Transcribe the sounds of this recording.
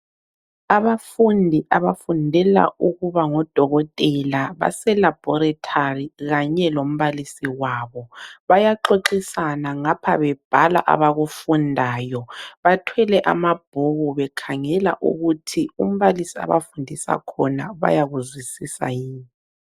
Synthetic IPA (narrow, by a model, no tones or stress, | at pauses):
aβafundʱiʔaβafundʱɛla̰uɣuβaŋɔd̥ʱɔɣɔtʼɛlaβa̰sɛlab̥ʱɔɾatʰariɣaɲɛlom̩βalisiwaːβɔβajaǃʰoǃisanaŋapʰaβɛb̥ʱala̰ʔa̰βaɣufundʱaːjɔβatʰwɛlɛʔamab̥ʱuɣuβɛkʰaŋɛla̰ʔṵɣutʰium̩βalisia̰βa̰fundʱisa̰kʰɔnaβa̰jaɣuzwisisa̰jiːni